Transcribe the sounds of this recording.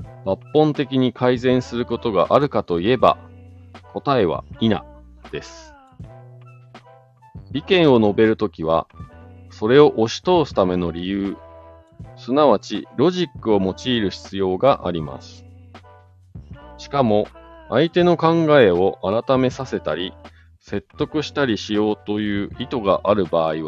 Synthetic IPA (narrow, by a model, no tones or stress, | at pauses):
bapːõ̞nt̪e̞kʲiɲ̟ikʰaizẽ̞ɰ̃sɨɾɯ̟ko̞t̪o̞ɡa̰ʔaɾɯ̟kat̪o̞ie̞ba̰ | ko̞t̪ae̞β̞a̰ina̰ | d̪̥e̞sɨ̥ | bʲikẽ̞ɰ̃o̞no̞be̞ɾɯ̟t̪o̞kʲiβ̞a̰ | so̞ɾe̞o̞ʔo̞ɕi̥t̪o̞ːsɨ̥t̪ame̞no̞ɾʲijɯː | sɨnaβat͡ɕiɾo̞ʑikːɯ̟o̞mo̞t͡ɕiːɾɯ̟ɕi̥t͡sɨjo̞ːɡaʔa̰ɾʲima̰sɨ̥ | ɕi̥kamo̞ait̪e̞no̞kãŋɡae̞o̞ʔaɾat̪ame̞sase̞t̪aɾʲi | se̞t̪ːo̞kɯ̟ɕi̥t̪aɾʲiɕijo̞ːt̪o̞jɯ̟ːit̪o̞ɡaʔaɾɯ̟baːiβa